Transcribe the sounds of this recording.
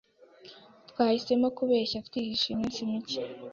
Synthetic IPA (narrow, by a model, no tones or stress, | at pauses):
t̪waːhise̞mokuβeːçafi̥tihiʃimiːnsimici̥